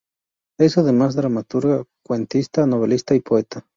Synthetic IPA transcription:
esaðemazðɾamat̪uɾɣakwe̞nt̪ist̪anoβ̞elist̪aipoet̪a

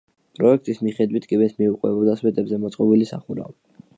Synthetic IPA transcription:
pʼɾɔɛk̚ʰt̪ʼismiχɛd̪wit̪ʰkʼibɛsmiuqʼwɛbɔd̪aswɛt̪ʼɛbzɛmɔt̪sʼqʼɔbilisaχuɾa̰

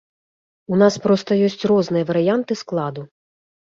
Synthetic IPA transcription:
unaspɾɔst̪ɐjɔsʲt͡sʲrɔznɨjɐvɐɾɨjant̪ɨsklˠad̪u

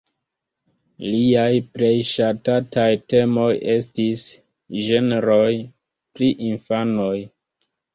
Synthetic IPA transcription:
liajpɾe̞jʃatatajte̞mo̞je̞stis | ʒeneɾo̞j | pɾiʔinfano̞j

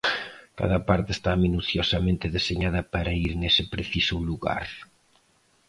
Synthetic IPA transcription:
ka̰ðɐpaɾt̪ɪeːst̪aminuθjosɐmẽnt̪ɪðeseɲaðɐpaɾaiɾnesɪpɾeθisʊluɣa̰ɾ

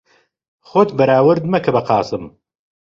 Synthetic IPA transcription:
xot̪ʰbɐɾaːwɨɾd̪mɐkʰɐbɐqɑːsɨm

